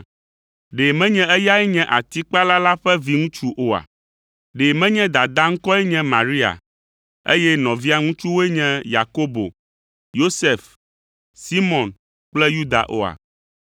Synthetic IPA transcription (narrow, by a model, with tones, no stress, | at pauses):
ɖe˨mɛ̃˦ɲɛ̃˦ɛ˦ja˦ɛ˦ɲɛ̃˦ʔa˨t̪i˦k͡pa˦la˦la˦ɸɛ˦vi˦ŋũ˦t͡ʃu˦ʔo˨a̰˨ | ɖe˨mɛ̃˦ɲɛ̃˦d̪a˨d̪a˦ŋ̩˦kɔ˦ɛ˦ɲɛ̃˦mã˨ɾi˦a̰˨ | ḛ˦jɛ˦nɔ̃˨vi˦a˨ŋũ˦t͡ʃu˦wo˦ɛ˦ɲɛ̃˦ja˨ko˦bo̰˨ | jo˦se˨f | si˦mɔ̃˨n | k͡plɛ˦ju˦d̪a̰˨ʔo̰˦a̰˨